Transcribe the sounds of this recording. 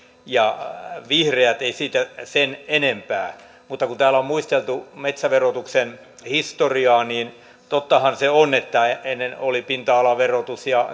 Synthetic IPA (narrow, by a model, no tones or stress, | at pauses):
jɑʋihreæt̪eisiːt̪æsenenempæː | mut̪ːɑkunt̪æːlommuist̪elt̪umet̪sæʋerot̪uksen | hist̪oriɑːniːn | t̪ot̪ːɑhɑnseonet̪ːæeenːenolipint̪ɑɑlɑʋerot̪usjɑ